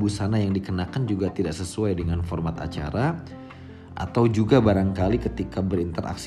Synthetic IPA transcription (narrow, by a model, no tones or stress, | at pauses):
busanajaŋdikənakand͡ʒuɡat̪idaʔsəsuajdəŋanfɔrmat̪a̰t͡ʃa̰ɾa | ʔa̰t̪awd͡ʒuɡabaɾaŋkalikət̪ikabəɾint̪əɾʔa̰ks